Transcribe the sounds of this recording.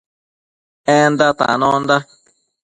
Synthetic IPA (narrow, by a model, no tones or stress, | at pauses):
ẽnd̪at̪ã̰nõnd̪a